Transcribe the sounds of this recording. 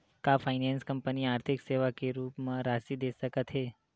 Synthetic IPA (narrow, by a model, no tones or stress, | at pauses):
kafʰajnanskəmpəniaːɾt̪ʰɪkseʋakeɾuːpmãɾasid̪esəkət̪ɦe